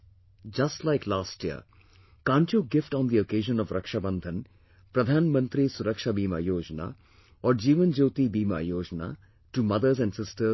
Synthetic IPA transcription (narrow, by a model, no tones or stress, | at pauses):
d͡ʒɐsʈlaɪklaːsʈjiə̰ | kãːɳʈjoːɡɪfʈɔ̃ːnd̪iokeːʒə̃nɔʋɾɐkʃabɐ̃nd̪ʱə̃n | pɾɐd̪ʱãːnmə̃nt̪ɾisuɾəkʃabiːma̰joːd͡ʒəna̰ | ɔːɾd͡ʒiːʋə̃nd͡ʒoːt̪ibiːma̰joːd͡ʒəna̰ | ʈumɐd̪əɾzɛ̃ɳɖsɪsʈəɾ